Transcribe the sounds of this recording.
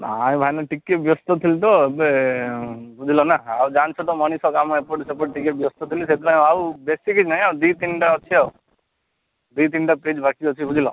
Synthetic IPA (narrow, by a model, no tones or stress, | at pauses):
aaĩbʱajnɔʈikep̚bjɔst̪ɔt̪ʰilt̪ɔebe | bʱud͡ʒʱilɔnaaud͡ʒant͡ʃʰɔt̪ɔmɔñisɔkamɔepoʈsepɔʈʈikeʈbjɔst̪ɔt̪ʰiliset̪iɾãj̃awbesikit͡ʃnaɦĩawd̪it̪iɳʈaɔt͡ʃʰiau | d̪it̪̬iɳɖaped͡ʒbʱakiɔt͡ʃʰibud͡ʒʱilɔ̰